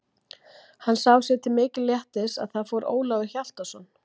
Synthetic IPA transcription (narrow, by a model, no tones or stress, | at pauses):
hansawsjɛt̪ʰɪmɪːcɪljɛht̪ɪsa̰ðθaðfɔɾʔo̰ːwlaːɣɪçjal̥t̪asɔnː